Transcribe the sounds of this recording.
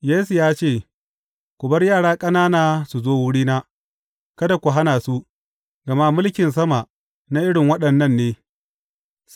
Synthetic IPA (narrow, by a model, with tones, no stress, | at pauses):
jeː˦su˨jaː˦t͡ʃeː˦˨ | kʷʊ˨bɐ˦rjaː˦˨ɽaː˦kʼɐ˦naː˦naː˨su˨zoː˦wʊ˦ɽiː˦naː˦ | kɐ˦da˨kʷu˨ɦa˦naː˨su˦ | ɡɐ˨ma˦mʊ˦lkʲɪ˨ns̬ɐ˦ma˨ʔ | na˦ʔɪ˦ɽɪ˨ŋwɐ˦ɗɐ˨nːɐ˦˨nːeː˦